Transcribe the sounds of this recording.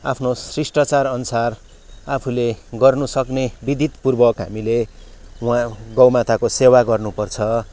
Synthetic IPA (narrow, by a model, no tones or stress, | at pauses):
apʰnosrisʈʌt͡sarʌnusar | apʰuleɡʌrnusʌknebid̪ʱit̪purbʌkɦa̰milewãɡʌwmat̪akosewaɡʌrnupʌrt͡sʰʌ